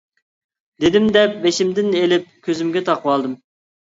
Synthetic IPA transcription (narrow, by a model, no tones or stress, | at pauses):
d̪ed̪ɪmd̪ɛp̚beʃimd̪ɪnelɪp̚kʲʰøzɪmɡʲɛt̪ʰɑqʰəwɑlˠd̪ɨm